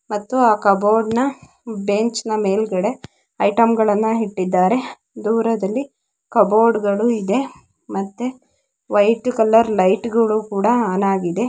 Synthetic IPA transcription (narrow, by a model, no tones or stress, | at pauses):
mɐt̪ːuaːkɐboːɾɖnɐ | beɲt͡ʃnɐme̞ːlɡɐɽe̞ | ɐjʈɐmɡɐɭɐnːɐɦiʈːid̪ːaːɾe̞ | d̪uːɾɐd̪ɐlːi | kɐboːɾɖɡɐɭuid̪e̞ | mɐt̪ːe | ʋɐjʈkɐlːɐɾlɐjʈɡɐɭuːkuːɽɐaːnaːɡid̪e̞